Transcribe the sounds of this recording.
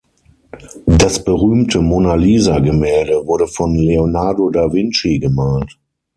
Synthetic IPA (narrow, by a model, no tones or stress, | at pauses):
dasb̥əʁyːmtʰəmonaliːzaɡəmɛːldəvʊɐɾəfɔnleonaɐdodavɪnt͡ʃiɡəmaːlt